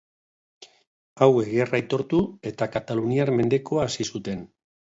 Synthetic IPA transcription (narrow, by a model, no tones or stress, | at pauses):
awe̞ɣiarajt̪o̞ɾt̪ue̞t̪akat̪aluniaɾme̞nd̪e̞ko̞aːsisut̪e̞n